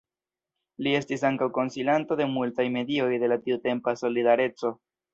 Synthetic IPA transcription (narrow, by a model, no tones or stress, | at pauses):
lie̞stisaŋkawko̞nsilanto̞de̞multajme̞dio̞jde̞latiute̞mpaso̞lidaɾe̞t͡so̞